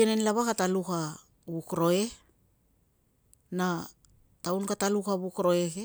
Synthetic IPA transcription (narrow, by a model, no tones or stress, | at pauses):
enenlaβakataluka | βukɾo̞e̞ | na | tawnkatalukaβukɾo̞e̞ke